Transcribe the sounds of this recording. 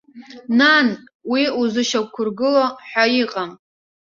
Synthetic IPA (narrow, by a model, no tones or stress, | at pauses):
nan | wiuzɨʃawkʷʰʊrɡɨloħʷᶣajiqʼam